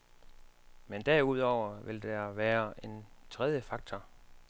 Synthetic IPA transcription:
mend̥æɐuð̞̰ˠɒʊ̰ɐʋe̝ld̥æʋæːɐʔe̝nt͡sʰʁɛðˠjəfɑ̈ɡ̥̚t͡sʰɒ

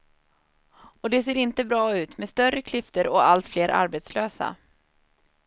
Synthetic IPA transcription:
ɔd̪ɛseːɾɪnt̪əbɾɑːʉ̟ːt̪meːst̪œrəkʰlɪft̪əɾɔalt̪fleːɾʔa̰ɾbet̪sløːsa̰

